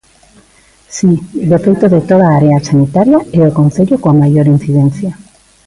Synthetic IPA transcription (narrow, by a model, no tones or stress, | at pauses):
sid̪efejt̪oðet̪oð̞aaɾeasanit̪aɾjaeokon̟θeʎokoamajoɾin̟θiðen̟θja